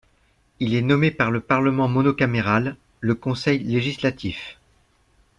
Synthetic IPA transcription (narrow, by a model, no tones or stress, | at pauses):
ilɛnɔmepaʁləpaʁləmɑ̃mɔnɔkameʁalː | əkɔ̃sɛjleʒislat̪ʰif